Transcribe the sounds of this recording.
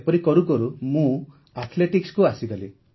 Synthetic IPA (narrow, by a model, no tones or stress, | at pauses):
pɔɾikɔɾukɔɾumũ | at̪ʰleʈikskuasiɡɔli